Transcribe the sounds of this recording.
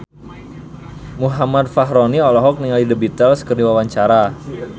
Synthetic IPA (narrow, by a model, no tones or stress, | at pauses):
muɦamad̪̚faɦɾoniɔlɔɦɔk̚niŋalidəbit̪əlskərdiwawaɲt͡ʃaɾa